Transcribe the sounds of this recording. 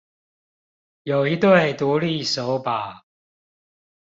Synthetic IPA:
jo˨˩ʊi˧˦t̪we˥˨˩ɪt̪u˨˦li˥˨so˨˦ʊpa˨˩˦

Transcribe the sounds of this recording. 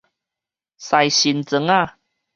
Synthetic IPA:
sa˨˩jɕi˨˦nt͡sə˧˦ŋa˥˧˨

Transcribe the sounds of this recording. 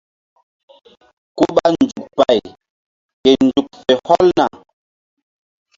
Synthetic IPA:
ku˦ɓa˦nd͡ʒu˨k̚pa˨j | ke˨nd͡ʒu˨k̚fe˨hɔ˦lna̰˨

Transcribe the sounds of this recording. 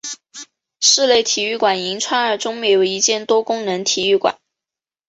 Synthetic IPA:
ʂɻ̩˥˧le˥˩ɪt̪ʰi˨˩y˥˩kwa˨˩ni˧˥ŋt͡sʰwa˥nə˞˧˥˩ʈ͡ʂʊ˥ŋme˥˩jo˨˧˩i˧˥t͡ɕjɛ˥˩nt̪wɔ˥kʊ˥ŋnɤ˧˥ŋt̪ʰi˨˩y˥˩kwa̰˨˩˦

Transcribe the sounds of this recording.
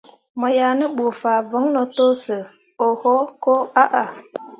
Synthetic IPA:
mɔ˨jaː˨nɨ˦bo˨faː˨vʊ˨˦ŋnɔ˨to˦sɨ˨ | o˨ho˦ko˦a˦ʔa˨

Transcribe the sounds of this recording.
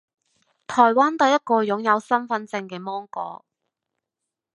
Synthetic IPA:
t̪ʰɔː˨˩jwaː˥nt̪ɐ˨˧jɐ˥t̚kɔː˧jʊ˨˥ŋjɐ˨˧wsɐ˥nfɐ˨˧nt͡sɪ˧ŋkɛː˧mɔː˥ŋkɔ̰ː˧

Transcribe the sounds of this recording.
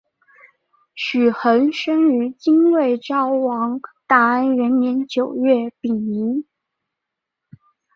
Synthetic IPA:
ɕy˨˩xə˧˥nʂə˥ŋy˧˥t͡ɕi˥nwe˥˩ɪʈ͡ʂɑ˥ʊwɑ˧˥ŋt̪a˥˩ə˥˩nɥɛ˧˥nmjɛ˧˥nt͡ɕjo˨˩ʊɥɛ˥˩pi˨˩ŋi˧˥n

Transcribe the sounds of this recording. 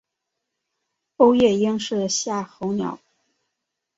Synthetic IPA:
o˥ʊjɛ˥˩ji˥ŋʂɻ̩˥˩ɕja˥˩xo˧˥ʊnjɑ̰˨˥˦ʊ

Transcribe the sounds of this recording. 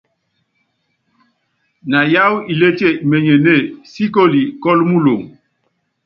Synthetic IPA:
na˨ja˦wi˨le˦te˦˨me˨ɲe˨ne˦˨si˦ko˦li˨kɔ˦lmu˦lo˨ŋ

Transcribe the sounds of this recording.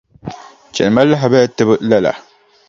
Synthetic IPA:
t͡ʃɛ̰˨n˨ma˦la˦ɦa˨bɛ˦tɨ˦bɨ˦la˦la̰˨

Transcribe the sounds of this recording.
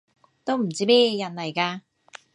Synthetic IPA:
t̪o˥wm̩˨˩t͡siː˥mɛː˥jɛː˧jɐ˨˩nlɐ˨˩jkaː˧

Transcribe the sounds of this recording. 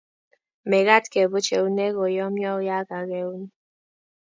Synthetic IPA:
me˨ɣa˦tke˨bu˦t͡ʃe˨u˦ne˦ɣo˨jɔ˦mjɔ˦u˦ja˦ka˨ɣe˦u˦ne˦

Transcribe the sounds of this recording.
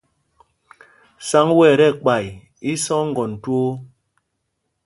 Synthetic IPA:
sa˦ŋwɛ˦˨ɾɛ˦˨k͡pa˨j | i˦sɔ˦ŋ̩˦ɡɔ˨n̩˨two˦

